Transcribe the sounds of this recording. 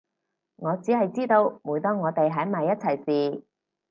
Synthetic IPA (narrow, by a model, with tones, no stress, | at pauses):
ŋɔː˨˧t͡siː˨˥hɐ˨jt͡siː˥t̪o˧wmuː˨˥jt̪ɔː˥ŋɔː˨˧t̪e˨jɦɐ˨˥jmaː˨jːɐ˥t̚t͡sʰɐ˨˩jsiː˨˩